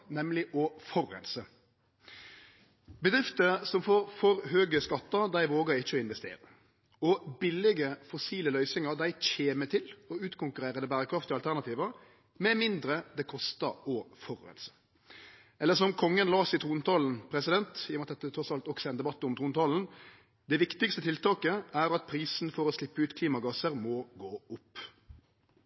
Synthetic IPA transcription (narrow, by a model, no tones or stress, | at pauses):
nɛmlɪʔɔfɔɾɛ̰nsə | bəd̪ɾɪft̪əɾsɔmfoːɾfɔɾɦøːɡəskɑt̪ːəɾd̪æɪʋoːɡəɾɪçːəɔɪnʋɛst̪ḛːɾə | ɔbɪlɪɡəfɔsiːləlœʏsɪŋəɾd̪æɪc͡çeːmət̪ʰɪlɔʉːt̪kʰʊŋkʉɾeːɾəd̪əbæːɾəkɾɑft̪ɪɑlt̪æɾnɑt̪ʰiːʋəɾ | mɛmɪnd̪ɾəd̪ɛkʰɔst̪ɑɔfɔɾœ̰ə̰lsə̥ | ɛlːəʂsɔmkʰɔŋːənlɑːsɪt̪ʰɾuːnt̪ʰɑːln̩pʰɾɛsɪd̪ɛnt̪ɪmɑt̪d̪ɛt̪ːət̪ʰɾɔsɑlt̪ɔksɛnd̪ɛbɑt̪ːəɔmt̪ʰɾuːnt̪ʰɑːln̩ | d̪̥ɛʋɪkt̪ɪkst̪ət̪ʰɪlt̪ɑːkəæɾɑt̪̚pʰɾiːsn̩fɔɾɔslɪpːəʉːt̪kʰliːmɑɡɑsəɾmɔɡoːʊpː